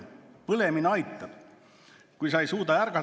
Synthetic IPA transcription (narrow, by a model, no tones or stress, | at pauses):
pɤle̞minɑjt̪ːˑɑ̥ | kujsɑejsuːt̪ɑjærɡ̥ɑ